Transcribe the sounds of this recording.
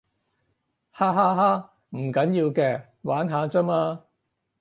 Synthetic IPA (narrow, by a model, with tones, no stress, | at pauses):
haː˥ɦaː˥ɦaː˥ | m̩˨˩kɐ˨˥njiː˧wkɛː˧ | waː˨˥nɦaː˨˧t͡sɐ˥maː˧